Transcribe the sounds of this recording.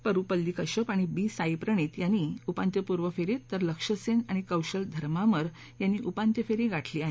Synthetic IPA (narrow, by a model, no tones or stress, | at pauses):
pəɾupəlːikəɕəpaɽ̃ibiːsajpɾəɳ̃it̪janːiupãnt̪jəpuɾʋəfeɾit̪ːəɾləkʂəsenaɽ̃ikəwɕəld̪ʱəɾmaməɾ | janːiːʔupant̪jəfeɾiɡʱaʈʰliːaɦe